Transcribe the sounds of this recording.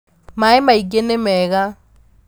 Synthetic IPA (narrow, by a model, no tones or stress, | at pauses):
maɪmaik̬ʼenɪmɛːk̬a